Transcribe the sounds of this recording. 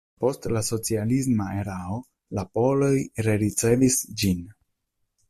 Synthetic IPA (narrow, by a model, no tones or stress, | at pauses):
po̞stlaso̞t͡sialis̬mae̞ɾao | lapo̞lo̞jɾeɾit͡se̞visd͡ʒin